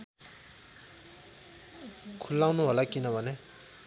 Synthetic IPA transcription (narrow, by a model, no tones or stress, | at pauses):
kʰulaŋnuwalakinawane